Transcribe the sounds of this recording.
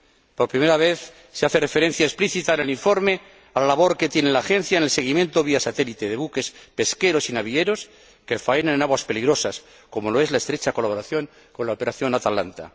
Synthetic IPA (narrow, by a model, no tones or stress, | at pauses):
po̞ɾpɾime̞ɾaβ̞e̞θ | seaθe̞re̞feɾe̞n̟θjaespliθit̪aeneliɱfo̞ɾme̞ | alalaβ̞o̞ɾke̞t̪je̞nelaːxe̞nθjaenelse̞ɣ̞imjẽ̞nt̪o̞βiasat̪e̞lit̪eðe̞βuke̞spe̞ske̞ɾo̞sinaβie̞ɾo̞s | kefaenanenaɣwaspe̞liɣɾo̞sas | ko̞mo̞lo̞e̞zlaest̪ɾet͡ʃako̞laβo̞ɾaθjo̞ŋ | ko̞nlaopeɾaθjo̞nat̪alant̪a̰